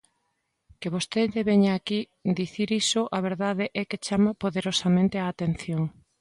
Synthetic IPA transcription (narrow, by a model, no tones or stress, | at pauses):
keβost̪eðeβeɲaːki | d̪iθiɾisʊʔaβeɾðaðeʔɛket͡ʃamapoðeɾosamẽnt̪eaːt̪en̟θjoŋ